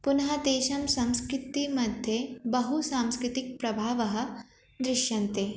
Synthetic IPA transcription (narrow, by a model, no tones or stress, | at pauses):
pʊnɐɦɐd̪eːʃɐmsɐ̃mskɾɪt̪imɐd̪ʱjebɐɦusaːmskɾɪt̪ɪk̚pɾɐbʱaːʋɐɦɐ̆ | d̪ɾɪʃjɐnt̪eː